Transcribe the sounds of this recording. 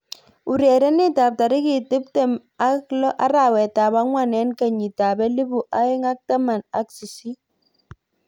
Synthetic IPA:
u˨ɾɛ˨ɾɛ˦nɪ˦ta˨p̚ta˨ɾɪ˦kɪ˨tɪ˦p̚tɛ˦m | a˦klɔ˦ʔa˦ɾa˨wɛ˨ta˨ba˦ŋwa˦˨nɛ˦nka˨ɲi˨ta˨bɛ˦li˦bu˨ʔa˦ɪ˦ŋa˦k̚ta˦ma˨na˦ksi˨si˦

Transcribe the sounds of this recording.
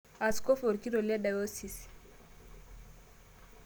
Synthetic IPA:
a˨sko˦fo˨ɾki˦ɾo˨li˦a˦da˨jo˦si˨s

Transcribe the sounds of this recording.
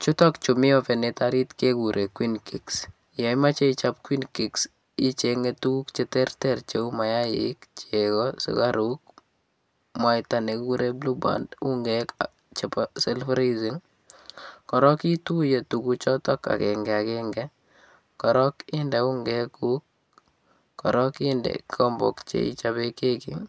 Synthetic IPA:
t͡ʃu˦tɔ˦kt͡ʃʊ˨mɪ˦ɔpɛ˨nɪtaɾi˦tke˦ku˨ɾʔe˨kwinki˨ks | jɔ˨ima˦t͡ʃe˦it͡ʃapkwinki˨ks | i˦t͡ʃeŋɡetu˦ukt͡ʃɛtɛrtɛrt͡ʃe˦u˦ma˨ja˦jɪ̰kt͡ʃekɔsɪ̰kaɾuk̚ | mwa˨itane˨ku˦ɾeblu˦ba̰ndu˦ŋɡɛka̰ | t͡ʃepasɛlfaɾizi˦ŋ | kɔ˨ɾɔ˦ki˦tu˦je˨tukut͡ʃɔtɔ˦ka̰˨kɛ˨ŋɡɛ˨a˨kɛŋɡɛ | kɔ˨ɾɔ˦kɪ˦ndɛ˨u˦ŋɡɛ˦kuk̚ː | ɔ̰˨ɾɔkɪndɛ̰kɔmbɔ̰˨kt͡ʃḛ˨ḭ˦t͡ʃabe˦ke˦kḭ

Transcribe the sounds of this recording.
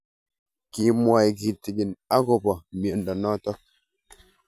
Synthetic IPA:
ki˨mwa˨jɡi˨ti˨ɡi˨na˦ɣo˨bɔ˨me˨n̩˨dɔ˨nɔ˦tɔ˦k̚

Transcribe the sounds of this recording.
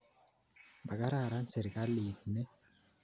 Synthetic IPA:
ba˨ka˦ɾa˦˨ɾa˦n˦se˨ɾka˦li˨tne˦

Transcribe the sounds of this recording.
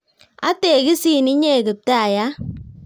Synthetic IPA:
a̰˦te˨ɡi˦si˦˨ni˦ɲe˦˨ɡɨ˨p̚ta˦a˨ja˦

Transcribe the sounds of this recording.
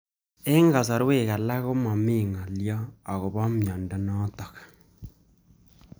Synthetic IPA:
e˦ŋɡa˨sɔ˨ɾwe˦˨ɣa˨la˦ɣo˦mɔ˨mi˦˨ŋa˨ljɔ˦a˨ɣo˨βɔ˦mjɔ˨nda˨nɔ˦tɔ˨kḁ˨

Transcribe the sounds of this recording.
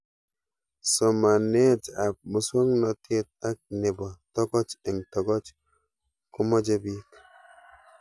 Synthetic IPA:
sɔ˨ma˨ne˦ta˨p̚mu˨swɔ˦ŋnɔ˨te˦t̚a˦k̚ne˨bɔ˨tɔ˦ɡɔ˦t͡ʃɛ˨ŋtɔ˨ɡɔ˦t͡ʃ | ku˦mɔ˦d͡ʒe˦bi˦k

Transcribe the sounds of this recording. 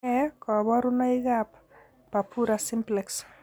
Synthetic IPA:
ɛkɔ˨bɔ˦ɾʊ˦na˦i˦ɡap | pa˨pʰu˦ɾasɪmplɛks

